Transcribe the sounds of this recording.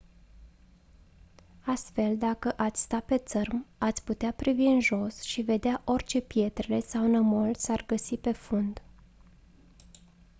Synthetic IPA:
ast̪fe̞ld̪akəʔat̪sʲst̪ape̞t̪sərmat̪sʲput̪eapɾiviɨnʒo̞sʃive̞d̪eaʔo̞rʲt͡ʃe̞pje̞t̪ɾele̞sawnəmo̞lsarɡəsipe̞fund̪

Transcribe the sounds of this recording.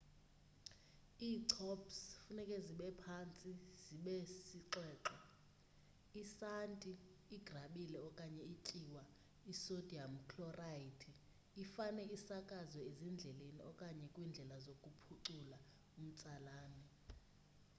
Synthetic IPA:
iːǀʰɔpsfunɛkʼɛziɓɛpʰant͡sʼiz̥iɓɛsiǁɛːǁɔ | isantʼiː | ɡ̥ʱraɓilɛɔkʼaɲɛitʼiwa | isod̥ʱiam̩kʰlɔraitʰi | ifanɛisakʼazɛezind͡ɮʱɛlenḭɔkʼaɲɛkʼwind͡ɮʱɛlazokʼupʰuǀula | um̩t͡sʼalaːnɛ

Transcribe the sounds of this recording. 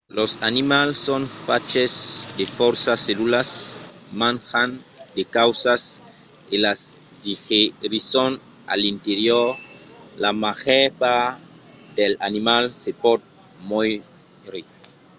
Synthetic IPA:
losanimalsːonfat͡ʃesd̪efɔɾsaselulasmãnxand̪ekawsas | elas | dixeɾison | a̰lint̪eɾjoɾlamaxɛpa | delanimalsepɔd̪̚ | moj | ɾi

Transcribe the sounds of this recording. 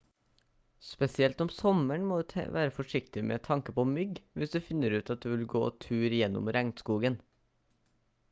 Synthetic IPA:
spɛsɪɛlt̪ɔmsɔməɳmoːd̪t̪ʰɛ̰ʋæ̰ːɾəfɔʂɪkt̪ɪmḛːt̪ʰɑŋkəpoːmʏɡʋɪsd̪ʉːfɪnːəɾʉːt̪ɑt̪̚d̪ʉːʋɪlɡo̰ːt̪ʰʉːɾjɛnʊ̰mɾæŋt̪skuːɡən

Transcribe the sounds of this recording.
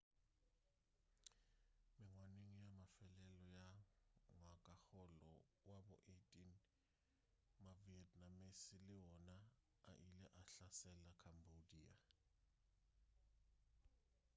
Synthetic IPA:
mɪŋwaneŋijamafɛlɛlɔja | wakʼaxɔlɔ̰ | wabɔ̰ʔetʼin | maviɛtʼnamisilɪwɔna | a̰ʔilɛʔaɬasɛlakʰambodia

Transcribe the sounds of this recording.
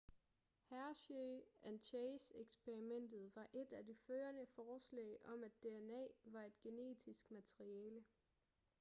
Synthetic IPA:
hæɐɕøænɕʰeːseɡ̥sb̥ʰe̝ʁimen̰d̥ð̩ˠʋɑ̈ʔe̝d̥æd̥e̝føːɐnəfɒːslɛ̰ɪʔɒ̽mæd̥ːe̝enɛ̰ːʋɑ̈e̝d̥ɡ̥e̝ne̝̰ːd̥ʰisɡ̥mæt͡sʰʁiɛːlə

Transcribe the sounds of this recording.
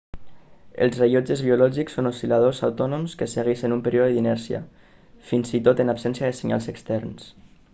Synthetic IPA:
ə̰lˠzreʎod͡ʒəzβiulɔʒiksonusilað̞ozawt̪ɔnomskəseɣiʃənumpəɾioðəðinɛɾsiə̰ | finsit̪ot̪ənapsɛnsiaðəseɲa̰lˠzəkst̪ɛɾns

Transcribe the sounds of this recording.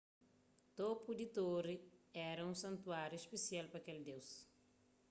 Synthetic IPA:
t̪opud̪it̪oriɛɾɐũsɐ̃nt̪uaɾjuispesialpɾɐkeld̪ews

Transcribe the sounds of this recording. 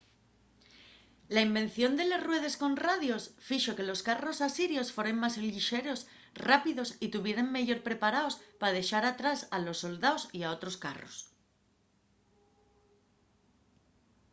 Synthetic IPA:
laimbẽ̞nθjo̞nd̪e̞le̞rwe̞ð̞e̞sko̞nraðjo̞sfiʃo̞ke̞lo̞skaro̞sasiɾjo̞sfwe̞ɾe̞ŋmaseliʃe̞ɾo̞s | rapiðo̞sit̪uβje̞ɾeŋmeʝo̞ɾpɾe̞paɾao̞spað̞e̞ʃaɾat̪ɾasalo̞sːo̞ld̪aosiao̞t̪ɾo̞ska̰ro̞̰s

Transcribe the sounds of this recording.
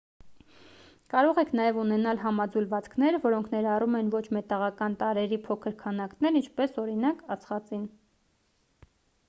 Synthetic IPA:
kɑɾɔʁɛkʰnɑjɛvunɛnɑlɦɑmɑd͡zulvɑt͡skʰnɛɾvɔɾɔŋkʰnɛɾɑrumɛnvɔt͡ʃʰmɛt̪ɑʁɑkɑnt̪ɑɾɛɾipʰɔkʰəɾkʰɑnɑknɛɾint͡ʃʰpɛsɔɾin̪ɑkɑt͡sʰχɑt͡sin

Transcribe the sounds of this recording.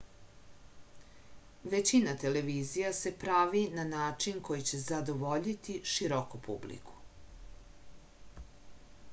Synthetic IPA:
ʋet͡ɕinat̪ele̞ʋiːzijase̞pɾaʋinanaːt͡ʂinkʰo̞jit͡ɕe̞zad̪oʋo̞ʎit̪iʃiɾokopṵblḭkʰu̥

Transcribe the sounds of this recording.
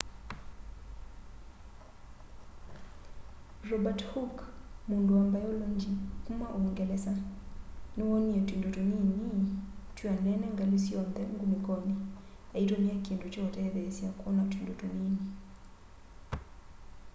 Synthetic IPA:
rɔbathukmunduambajɔlɔɲd͡ʒikumaʔɔŋɡɛlɛsa | niwɔniɛtwindɔtuninitwianɛnɛŋɡalisiɔnd̪ɛŋɡumikɔni | aitwɛniakindut͡ʃɔɔtɛɛðɛsiakwɔnatwindɔtunini

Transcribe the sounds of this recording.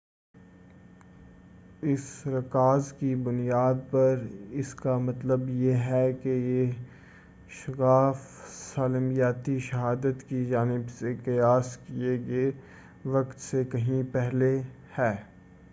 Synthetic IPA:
ɪsɾɐkaːzkibʊnijaːd̪̚pɐɾɪskamɐt̪ləbjeɦɛkeje | ʃɐkaːf | saːlmijaːt̪iʃɐɦaːd̪ət̪kid͡ʒaːnɪbsekɪjaːskieɡeː | ʋɐkt̪sekɐɦĩpɛɦle | hɛː

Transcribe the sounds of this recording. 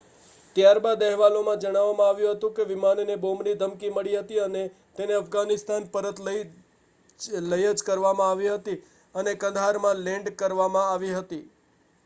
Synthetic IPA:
t̪jaɾbad̪ɛɦʋalomãd͡ʒəɽ̃aʋːamãaʋjũɦət̪ũkeʋimannebomnid̪ʱəmkiməɭiɦət̪iəne | t̪eneəfɡanɪst̪anpəɾət̪lə | ləjəd͡ʒkəɾʋamãaʋiɦət̪i | ənekə̃nd̪ʱɦaɾmãlɛ̃ɳɖkəɾʋamãaʋiɦət̪i

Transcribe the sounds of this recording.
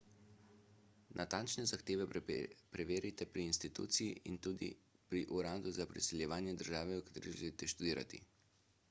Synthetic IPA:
nʔat̪ant͡ʃnɛzaxt̪eːʋɛpɾɛʋeːɾit̪ɛpɾiːnst̪it̪ṵːt̪sijiʔint̪uːd̪ḭpɾiʔuɾaːd̪uzapɾisɛljɛʋaːnjɛd̪əɾʒaːʋɛəkḁt̪eːɾiʒḛlit̪ɛʃt̪ud̪iːɾʔa̰t̪ḭ

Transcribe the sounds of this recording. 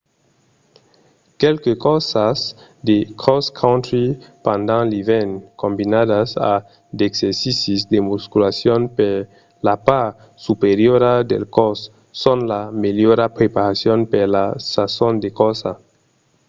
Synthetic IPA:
kelkekosasd̪ekʰoskʰawnt̪ɾipãnd̪ãŋlivenkõmbinaðasa̰ | d̪ekseɾsisisd̪emuskulasjonpeɾ | lapaɾ | supeɾjoɾad̪ḛlkosː | onlameljoɾapɾepaɾasjonpeɾlasasond̪ekosa

